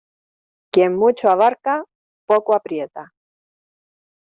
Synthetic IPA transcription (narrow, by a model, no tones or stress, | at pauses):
kjemmut͡ʃoaβ̞aɾka | pokoapɾjet̪a